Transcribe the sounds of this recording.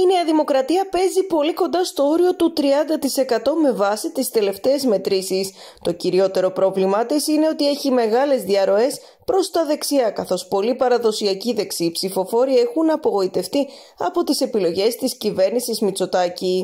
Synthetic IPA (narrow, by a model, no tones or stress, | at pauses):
ine̞ɐðimo̞kɾɐt̪iɐpe̞zipo̞liko̞nd̪ɐst̪o̞o̞ɾio̞t̪ut̪ɾiɐnd̪ɐt̪ise̞kɐt̪o̞me̞vɐsit̪ist̪e̞le̞ft̪e̞ːzme̞t̪ɾisis | t̪o̞ciɾio̞t̪e̞ɾo̞pɾo̞vlimɐt̪isine̞o̞t̪ie̞çime̞ɣɐle̞zðiɐɾo̞e̞s | pɾo̞st̪ɐðe̞ksiɐkɐθo̞spo̞lipɐɾɐðo̞siɐciðe̞ksipsifo̞fo̞ɾiexunɐpo̞ɣo̞it̪e̞ft̪i | ɐpo̞t̪ise̞pilo̞ʝe̞st̪iscive̞ɾnisizmit͡so̞t̪ɐci